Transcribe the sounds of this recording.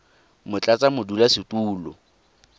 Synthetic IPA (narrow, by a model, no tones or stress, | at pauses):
mʊt͡ɬʼat͡sʼamʊdulasɪtʼuːlɔ̰